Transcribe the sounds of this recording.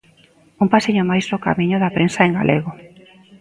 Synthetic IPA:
umpasiɲʊmajsɾoka̰miɲʊðapɾensaeŋɡa̰lʔeɣo

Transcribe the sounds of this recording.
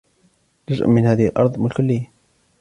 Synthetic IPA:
nazʔmɪnhaːðɪhalʔɑ̰ɾˤðˤmɪlkʊlːɪjːa

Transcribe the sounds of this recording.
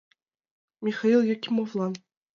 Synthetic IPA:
mʲixailˠjakʲimovlˠɑ

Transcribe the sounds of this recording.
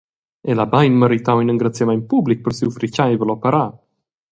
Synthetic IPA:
elabajnməɾit̪awinəŋɡɾat͡sjamɛnpublik̚pəɾsiwfɾicaivəlɔpɛɾa

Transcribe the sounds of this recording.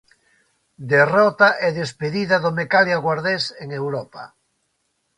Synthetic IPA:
d̪erɔt̪aʔɛðespeðiðaðomekaljaɣwaɾðeseŋewɾɔpa̰

